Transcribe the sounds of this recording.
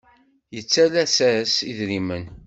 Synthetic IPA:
jət͡sːælæsæsiðɾimən

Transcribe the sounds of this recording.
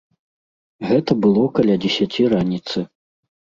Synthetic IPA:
ɣɛt̪ɐbɨlˠɔkɐlʲad͡zʲɛsʲat͡sʲiɾanʲit̪sɨ

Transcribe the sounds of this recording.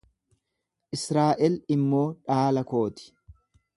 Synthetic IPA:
ʔɪsɾaːʔɛlɪmːo̞ːᶑaːlɐko̞ːt̪ɪ̥

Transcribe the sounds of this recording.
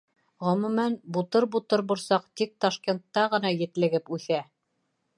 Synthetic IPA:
ʁɵ̆mʉmænbut̪ɤɾbut̪ɤɾbŭɾsɑq̚t̪ik̚t̪ɑʃkʲent̪ːɑʁɤ̆nɑjɘ̆t̪lɘ̆ɡɘpʉθæ

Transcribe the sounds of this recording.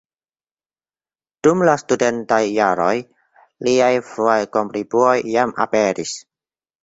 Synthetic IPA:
d̥umlastudentajːaɾoj | liajfɾuajkompɾibuojamʔa̰peɾis

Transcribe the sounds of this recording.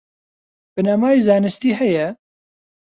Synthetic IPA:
b̥ɨnɐmaːjizɑːnɨst̪iːɦɛjɛ

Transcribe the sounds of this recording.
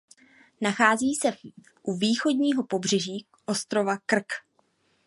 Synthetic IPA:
naxaːziːsɛ | ʔuviːxo̞dɲiːɦo̞po̞br̝ɛʒiː | ʔo̞st̪ɾo̞vakr̩k

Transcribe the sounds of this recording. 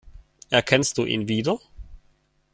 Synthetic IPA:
ɛɐkʰɛns̚d̥uːʔḭnviːdɐ

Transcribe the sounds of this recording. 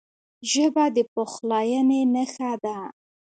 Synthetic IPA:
ʒəbad̪əpoxlɑjənenəxad̪a

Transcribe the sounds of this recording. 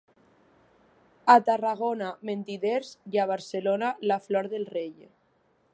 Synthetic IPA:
at̪araɣ̞onament̪iðeɾzjaβ̞aɾselonalaflɔɾðelrej

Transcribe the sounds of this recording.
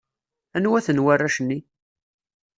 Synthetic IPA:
ænwæθənwarːæʃənːi

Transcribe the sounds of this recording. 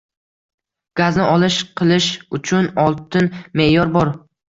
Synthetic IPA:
ɡ̥aznɪʔɒlˠɪʃqʰɨlˠɪʃʊt͡ʃʰʊnɒlˠt̪ʰɪnme̞jɒɾbɒɾ

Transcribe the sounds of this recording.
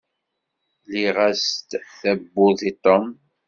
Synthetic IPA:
liʁast̪θæbːʊðit̪ˤom

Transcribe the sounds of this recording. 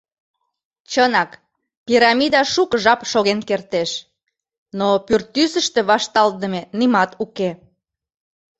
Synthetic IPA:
t͡ɕənɑk | piɾɑmid̪ɑʃukʒɑpʃoɣenkert̪eʃ | nopyrt̪ysə̆ʃt̪ĕβɑʃt̪ɑlt̪ə̆menimɑt̪uke

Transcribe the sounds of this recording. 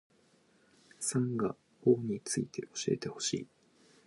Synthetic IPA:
sãŋɡa | oːɲ̟it͡sɨit̪ʰe̞̰ʔoɕie̞t̪e̞ho̞̥ɕḭː

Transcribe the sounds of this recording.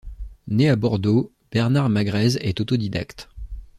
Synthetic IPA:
neabɔʁd̪o | b̥ɛʁnaʁmaɡʁɛzɛt̪ot̪ɔd̪id̪a̰kt̪

